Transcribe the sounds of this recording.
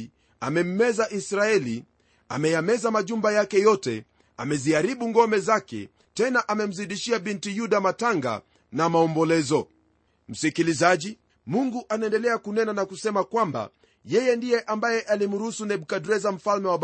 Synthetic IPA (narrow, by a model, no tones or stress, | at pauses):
a̰mɛm̩mɛzaʔisɾaɛli | a̰mɛjamɛzamaʄumbajakɛjɔtɛ̰ | a̰mɛziaɾiɓuŋɡɔmɛzakɛ̰ | tɛnaʔamɛm̩ziɗiʃiaɓintijuɗamataŋɡa̰ | namaɔmbɔlɛzɔ | m̩sikilizaʄi | muŋɡuʔanaɛndɛlɛakunɛnanakusɛmakwamba̰ | jɛjɛndijɛʔambajɛʔalim̩ɾuusunɛɓukadɾɛzam̩falmɛwaɓ